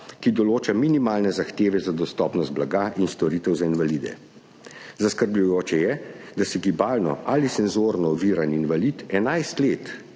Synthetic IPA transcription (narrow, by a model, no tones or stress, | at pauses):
kid̪ɔloːt͡ʃaminimaːlnɛzaxt̪eːʋɛzad̪ɔst̪ɔːpnɔst̪̚blaɡaːʔinst̪ɔɾiːt̪ɛwzainʋalid̪ɛ̰ | zaskəɾbʎujoːt͡ʃɛjɛd̪asɛɡibaːlnɔ̰ʔalisɛnzoːɾnɔɔʋiːɾaninʋalit̪ɛnajst̪leːt̪